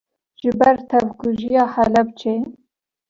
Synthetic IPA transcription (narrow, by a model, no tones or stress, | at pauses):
ʒ̥ɨbɛɾt̪ʰɛvkuʒijɑːhɛlɛb̚t͡ʃʰe